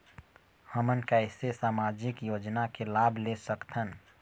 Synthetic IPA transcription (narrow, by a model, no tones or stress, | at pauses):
həmənkaɪsesaːmaːd͡ʒɪkjoːd͡ʒnakelaːbʱlesəkt̪ʰən